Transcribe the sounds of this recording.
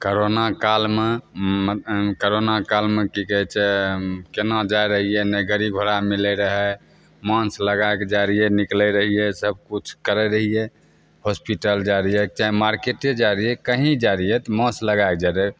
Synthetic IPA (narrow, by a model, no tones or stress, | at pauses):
koɾonakalme | koɾonakalmekikəɦɛt͡ʃʰɛkenad͡ʒaeɾəɦijɛnəɡəɾiɡʱoɾamilɛɾəɦɛ | mãsləɡaeked͡ʒaɾiɛniklɛɾəɦiɛsəb̚kut͡ʃʰkəɾɛɾəɦijɛ | hospiʈəld͡ʒaɾijɛt͡ʃaɦimaɾkeʈed͡ʒaɾiɛkəɦĩd͡ʒaɾiɛt̪ɔmãsləɡaeked͡ʒaɾe